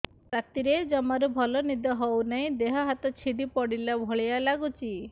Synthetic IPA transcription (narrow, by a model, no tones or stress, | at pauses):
ɾat̪iɾed͡ʒɔmaɾubʱɔlɔnid̪ɔɦɔwnaĩd̪eɦɔɦat̪ɔt͡ʃʰiɖipɔɽilabʱɔɭijalaɡut͡ʃʰi